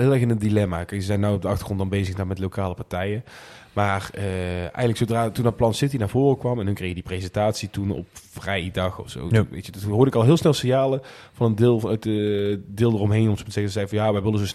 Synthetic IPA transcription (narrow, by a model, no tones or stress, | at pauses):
ɦɪːlˠɛɹxɪnəndilɛma̰kɛjsəzɛjnːawɔbdəɑxtə̥rχrɔntdɑnbejzəxdaːnmɛtlokaːləpɑɹtɛjə | maːrəʔɛ̰jɣənləksowdraːtundɑt̚plɑnsɪtinaːɹv̥oːrəkʋɑmɛnɦykrexjədiprezɛntaːtsitunɔ̰pfrɛjdɑxɔ̰fso̰wʋḛjtədtɦoːɹdəɪkɑlˠɦɪːlˠsnɛlˠsɪnjaːlə | vɑnəndɪːlˠtədɪːlˠdərɔmɦejnɔmsmzɛxəzɛjvɑnjaːʋɛjʋɪlənzos